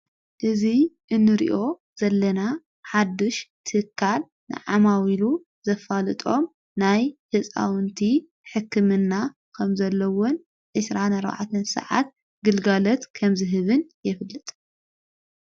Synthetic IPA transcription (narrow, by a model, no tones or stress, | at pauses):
ʔɨziʔɨnːɨɾḭʔo̞ | z̥ɐlːɐna | ħad̪ːɨʃt̪ʰɨɨkʰːal | nɨ̰ʕa̰mawilu | z̥ɐfalɨt̪ʼo̞m | najhɨsʼa̰wɨnt̪ʰi | ħɨkːɨmɨnːa | kʰɐmzɐlːɐwon | ʕɨsɾanɐɾwa̰ʕa̰t̪ʰɨnsɐ̰ʕa̰t̪̚ | ɡɨlɡalɐt̪kʰɐmzɨɦɨβɨnjɪfɨlːɨt̪ʼ